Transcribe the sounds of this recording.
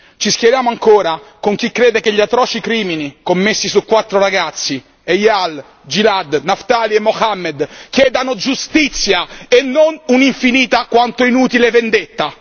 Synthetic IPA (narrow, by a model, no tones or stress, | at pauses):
t͡ʃisk̟jɛɾjaːmoaŋkoːɾakoŋk̟ikːɾeːd̪ekeʎːiat̪ːɾɔːt͡ʃikɾiːminikomːesːisukːwat̪ːɾoɾaɡat̪sːi | ejal | d͡ʒilad̪naft̪aːliɛmːoxamːed̪kjɛːd̪anod͡ʒust̪it̪sːjaenːonuniɱfiniːt̪akwant̪oinuːt̪ileɛvend̪et̪ːa